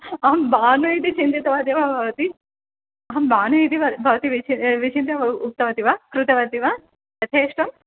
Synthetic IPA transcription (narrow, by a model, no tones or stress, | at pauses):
ɐɦɐmbaːnujit̪it͡ʃind̪it̪ɐʋaːd̪jɐbʱɐbbʱɐʋɐt̪i | ɐɦɐmbaːnuit̪iɐbʱɐʋɐt̪iʋit͡ʃiʋit͡ʃint̪ɐɐup̚t̪ɐʋɐt̪iʋaːkɾut̪ɐʋɐt̪iʋaː | t̪ɐt̪ʰeːʂʈɐm